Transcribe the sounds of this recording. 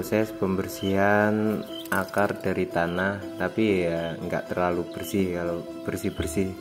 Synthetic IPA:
sɛspəmbərsian | akard̥aɾit̪anaht̪apiŋɡa̰ʔt̪ərlalub̥ərsɪhkalo | b̥ərsɪhbərsɪh

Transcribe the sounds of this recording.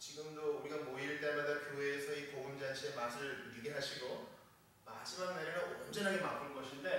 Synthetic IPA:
t͡ɕiɡɯmdooɾiɡamoiɭt͈e̞madakjoweːsʰʌikoɡund͡ʑant͡ɕʰiemasʰɯɾɯɭɾiɡeɦaɕʰiɡo | ma̰d͡ʑimaɡ̚naɾiɾaond͡ʑenɦaɡe̞mak͈uɭkʌɕʰinde̞

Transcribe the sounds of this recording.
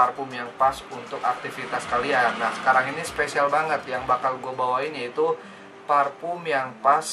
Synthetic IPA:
arpumjaŋpasunt̪ʊka̰k̚t̪ifit̪askalianahsə̥kaɾaŋinispesialbaŋət̪̚jaŋbakalɡuabawaɪnjait̪u | parpumjaŋpas

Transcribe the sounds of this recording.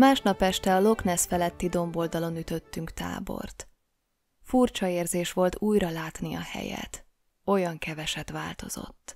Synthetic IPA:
maːʃnɒpɛʃt̪ɛɒlo̞knɛsfɛlɛt̪ːid̪o̞mbo̞ld̪ɒlo̞nyt̪ø̞t̪ːyŋkt̪a̰ːbo̞̰rt̪ | furt͡ʃɒeːrzeːʃʋo̞lt̪uːjrɒlaːt̪niɒ̰hɛ̰jɛ̰t̪ | o̞jɒŋkɛvɛʃɛt̪ʋaːlt̪o̞̰z̥o̞̰t̪ː

